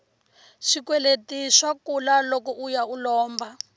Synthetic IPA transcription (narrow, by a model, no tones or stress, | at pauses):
ʃikwɛletiʃwakulalɔkɔʔujaulɔːmba